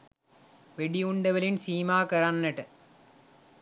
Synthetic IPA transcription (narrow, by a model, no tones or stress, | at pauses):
ʋeɽiuɳɖɐʋɐlinsiːmaːkɐɾanːɐʈːɨ